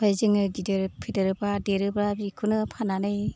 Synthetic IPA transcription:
bʰajzɯŋɯdideɾpʰidɯɾɯbadeɾɯbɾabikʰunɯpʰananɯj

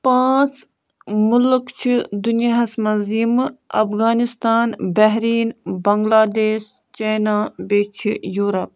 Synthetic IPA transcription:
pãːt͡s | mʊlkt͡ʃʰid̪unjaɦɐsmɐnzimɐ̰pɣaːnist̪aːnbɐɦɾiːnbɐŋɡlaːd̪eːʃ | t͡ʃɐːnaːbeːt͡ʃʰijuːɾɐp̚

